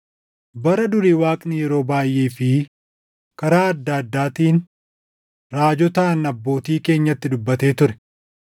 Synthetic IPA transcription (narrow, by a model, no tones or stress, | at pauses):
bɐɾɐd̪ʊɾiːwaːkʼnɪjɛɾo̞ːbaːjʔeːfɪ | kɐɾaːɐd̪ːaːɐd̪ːaːt̪iːn | ɾaːd͡ʒɔt̪ɐnɐbːo̞ːt̪iːke̞ːɲːɐt̪ːɪd̪ʊbːɐt̪e̞ːt̪ʊɾɛ̥